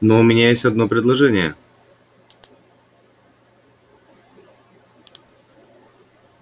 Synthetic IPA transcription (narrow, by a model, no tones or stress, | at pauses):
noʊmʲɪnʲajesʲtʲɐd̪no̞pɾʲɪd̪lˠɐʐɛnʲɪjə̰